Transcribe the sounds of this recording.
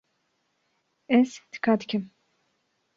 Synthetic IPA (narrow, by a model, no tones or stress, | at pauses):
ɛst̪ʰi̥kad̪kʲʰim